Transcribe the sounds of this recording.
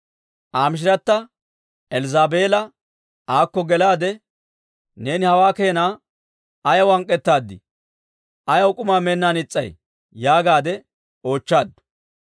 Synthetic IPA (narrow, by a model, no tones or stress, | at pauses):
ʔaːmɪʃ̬ɪɾɐt̪ːɐ | ɛlzaːbeːlɐ | aːkːɔɡɛlaːd̪ɛ | ne̞ːnɪhɐwaːkeːnaː | ɐjɐwɐŋkʼːɛt̪ːaːd̪ːɪ̰ | ʔɐjɐwkʼʊmaːmenːaːnɪt͡sʼːɐ̰j | jaːɡaːd̪ɛ | o̞ːt͡ʃːaːd̪ːʊ̥